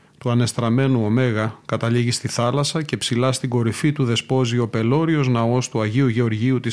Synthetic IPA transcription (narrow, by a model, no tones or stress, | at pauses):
t̪uɐne̞st̪ɾɐme̞nuo̞me̞ɣɐkɐt̪ɐliʝist̪iθɐlɐsɐce̞psilɐst̪iɡo̞ɾifit̪uðe̞spo̞zio̞pe̞lo̞ɾio̞znɐo̞st̪uɐʝiuʝeo̞ɾʝiut̪is